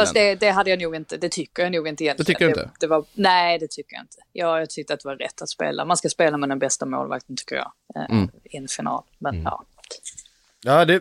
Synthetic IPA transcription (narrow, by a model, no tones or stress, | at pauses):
fast̪d̪ɛd̪ɛɦad̪ːəjanuːɡɪnt̪əd̪ɛt̪ʰʏkːəɾjanuːɡɪnt̪əjɛnləɛd̪ɛvanæɪd̪ɛt̪ʰʏkːəja̰ɪ̰nt̪ə̥jɑːjɑt̪ʰʏk̚t̪əɾat̪̚d̪ɛvaɾɾɛ̰t̪ʰːat̪spḛːlʔa̰manskaspeːlamɛd̪ɛnbɛst̪amo̰ːlva̰k̚t̪əntʰʏ̥kːəjɑ̰ː | ɪɛnfɪnɑ̰ːlmɛnnjɑ̰ː | aːd̪ɛ